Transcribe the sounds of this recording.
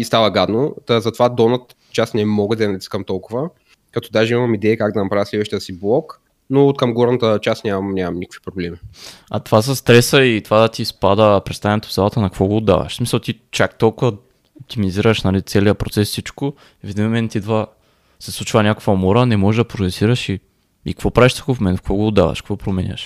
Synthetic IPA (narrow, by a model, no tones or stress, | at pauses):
ist̪avəɡad̪nozɐt̪ovad̪ɔnət̪ | t͡ʃasnɛmɔɡəd̪ɐɐnɐt̪iskəmt̪ɔlˠkʊvə | kɐt̪ɔd̪aʒɛimɐmid̪ɛɛkaɡd̪ɐnɐpɾavəslɛd̪vəʃt̪ijəsiblˠɔk | not̪kɐmɡɔɾnɐt̪ət͡ʃasnʲamɐnʲamɐmnikə̥kvi̥pɾoblɛmiɐ̰t̪ovas̬ɐst̪ɾɛsəit̪ovad̪ɐt̪ispad̪əpɾɛt̪st̪avɛnɛt̪o̥vzalˠət̪ənɐkvɔɡoːd̪ːa̰v̰ʃsmisɐlˠt̪it͡ʃak̚t̪ɔlˠkʊvɐ | op̚t̪imiziɾəʃnɐlit̪sɛliəpɾot̪sɛsfsit͡ʃkʊ | vɛd̪ʲinmomɛnt̪id̪və | sɛslˠut͡ʃvɐnʲako̥kvɐmɔɾənɛmɔʒɛʒd̪ɐpɾot̪ɛsiɾɐʃi | ikkvɔpɾaviʃt̪u̥kofmɛnfkvɔɡoːd̪ːa̰vɐ̰ʃkkvɔpɾomɛnʲə̰ʃ